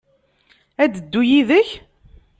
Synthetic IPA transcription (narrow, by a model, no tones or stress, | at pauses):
æd̪əd̪ːujiðəç